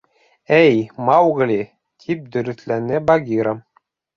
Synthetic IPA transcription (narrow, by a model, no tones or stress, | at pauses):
æjmɑwɡlʲi | t̪ʰip̚d̪ɵ̆ɾɵ̆θlænɘbɐɡʲiɾəm